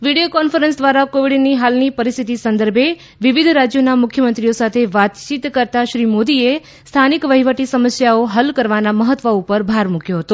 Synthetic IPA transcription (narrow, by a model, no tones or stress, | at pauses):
ʋiɽijokɔnfəɾənsd̪ʋaɾakoʋiɽniɦalnipəɾist̪ʰit̪isə̃nd̪əɾbʱe | ʋiʋid̪ʱɾad͡ʒjonamʊkʰjəmə̃nt̪ɾijosat̪ʰeʋat̪t͡ʃit̪kəɾt̪aʃɾimod̪ie | st̪ʰanikʋəɦiʋəʈisəməsjaoɦəlkəɾʋanaməɦət̪ːʋəupəɾbʱaɾmukjoɦət̪o